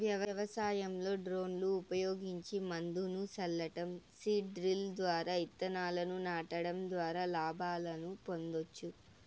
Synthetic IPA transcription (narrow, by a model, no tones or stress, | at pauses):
ʋjɐʋɐʋɐsaːjɐmlo̞ːɖɾo̞ːnluːpɐjo̞ːɡiɲt͡ʃimɐnd̪unusɐlːɐʈɐmsiːɖɾild̪ʋaːɾaːit̪ːɐnaːlɐnunaːʈɐɽɐmd̪ʋaːɾaːlaːbʱaːlɐnupo̞nd̪o̞t͡ʃːu